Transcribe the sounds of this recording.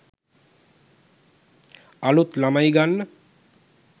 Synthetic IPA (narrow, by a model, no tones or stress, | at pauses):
alut̪lamajɡanː